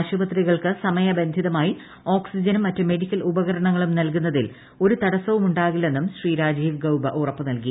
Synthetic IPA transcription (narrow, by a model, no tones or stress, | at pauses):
ɕubɐt̪riɣɐɭkɨsɐmɐjɐbe̞nd̪ʱiðɐmaːji | o̞ːksid͡ʑɐnumːɐtːume̞ɽikʲːɐlubɐɣɐɾɐɳɐŋːɐɭumnɐlkunːɐðil | o̞ɾut̪ɐɽɐsɐʋumuɳɖaːɣilːe̞nːumɕriːɾaːd͡ʑiːʋɡɐwbɐʔurɐpːɨnɐlki